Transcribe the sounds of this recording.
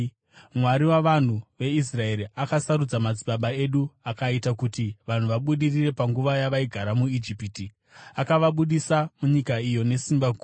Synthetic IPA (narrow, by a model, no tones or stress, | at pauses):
mwaɾiwaʋan̤uʋe̞israe̞ɾiʔakasaɾud͡zamad͡ziɓaɓae̞ɗuakaitakutiʋan̤uʋaɓuɗirire̞paŋɡuʋajaʋaiɡʱaɾamuid͡ʒipiti | akaʋaɓuɗisamuɲikaijo̞ne̞simbaɡʱuː